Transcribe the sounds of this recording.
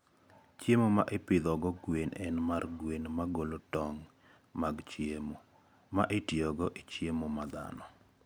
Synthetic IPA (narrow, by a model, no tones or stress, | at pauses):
t͡ʃjemoma̰ʔepɪd̪ɔɡɔɡwenɛnmarɡwenmaɡolotɔŋ | maɡt͡ʃjemo | maʔetjiɔɡɔʔit͡ʃjemomad̪a̰nɔ